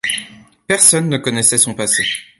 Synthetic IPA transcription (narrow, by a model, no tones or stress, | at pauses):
pɛʁsɔnːəkɔnɛsɛsɔ̃pase